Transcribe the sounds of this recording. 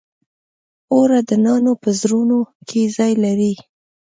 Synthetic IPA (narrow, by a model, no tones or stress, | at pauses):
oɾad̪ənɑnopəzɾunokʰezɑjlaɾi